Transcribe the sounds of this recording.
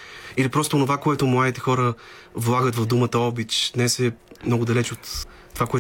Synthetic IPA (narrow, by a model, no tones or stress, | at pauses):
ilipɾɔst̪oonovakoɛt̪ʊmlˠad̪it̪ɛxɔɾə | vlˠaɡət̪vɐvd̪umət̪əɔbit͡ʃ̪d̪nɛsɛmnɔɡʊd̪ɐlɛt͡ʃot̪ː | ovakoɛ